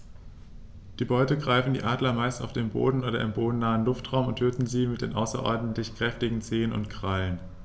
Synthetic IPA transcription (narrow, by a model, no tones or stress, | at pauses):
d̥iːbɔʏtəɡʁaɪfn̩dḭːʔaːdlɐmaɪsta̰ʊfd̥eːmbo̰ːdn̩ʔoːɾɐʔɪmboːdn̩naːənlʊftʁ̥aʊmʊnthøːtn̩ziːmɪt̚d̥eːnʔaʊsɐ̰ʔɔ̰ɐdn̩tlɪçkʁ̥ɛftɪɡŋ̩t͡seːənʊ̰ntkʁ̥alən